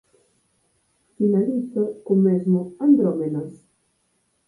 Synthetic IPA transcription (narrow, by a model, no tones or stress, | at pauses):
finalid̪zəkomɛzmoand̪ɾɔmenəs